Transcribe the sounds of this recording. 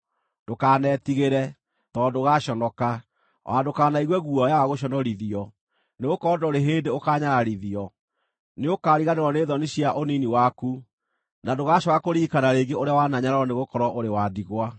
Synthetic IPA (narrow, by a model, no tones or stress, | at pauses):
d̥okaːnɛtiɣeɾɛ | tɔːdoɣaɕɔnɔka | wadokaːnaiɣwɛɣuɔjawaɣoɕ̬ɔnɔɾiðiɔ | neokɔːdɔɾeɦeːndeokaːɲaɾaɾiðiɔ | neokaːɾiɣaneɾɔneːðɔneɕiaʔoniniwaku | nadoɣaɕɔɣakoɾiːkanaɾeːɡeoɾeawanaɲaɾaɔneɣokɔɾɔʔoɾewadiɣwa